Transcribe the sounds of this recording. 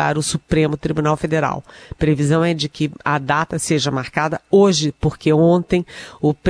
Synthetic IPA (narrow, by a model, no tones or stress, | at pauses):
a̰ɾʊsupɾẽmʊt̪ɾibunawfed̪eɾa̰wpɾevizɐ̃w̃ɛd͡ʒɪkɪɐd̪at̪ɐseʒɐmaɾkad̪ɐoʒɪpoɾkeõnt̪ẽj̃ʊp